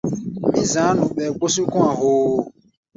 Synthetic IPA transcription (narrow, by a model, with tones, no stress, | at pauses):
mĩ˨zã˨˦nũ˨ɓɛ˨ɡ͡bo˦si˦kũ˦ã˨ɦo˨